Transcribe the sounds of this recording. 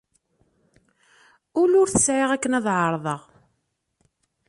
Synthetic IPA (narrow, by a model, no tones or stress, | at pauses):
ʊlʊɾθə̥sʕeʁækːənæðˤʕəɾˤðˤəʁ